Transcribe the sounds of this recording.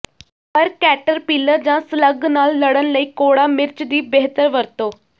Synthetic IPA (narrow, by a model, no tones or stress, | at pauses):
əɾkæʈəɾpilːəɾd͡ʑãsləɡnalːəɽənləikoɽamɪɾt͡ɕd̪iːbeɦt̪əɾʋəɾt̪o